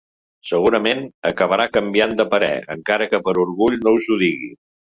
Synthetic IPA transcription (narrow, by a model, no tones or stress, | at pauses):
səɣuɾəmenəkəβ̞əɾakəmbiand̪əpəɾɛ̰ə̰ŋkaɾəkəpəɾuɾɣuʎnowzuðiɣḭ